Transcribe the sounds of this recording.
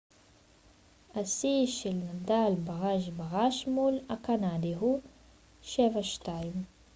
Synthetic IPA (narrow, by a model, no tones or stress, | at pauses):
asiʃelnadalbaʁaʃ̬baʁaʃmulakanad̪iɦu | ʃevaʃtaim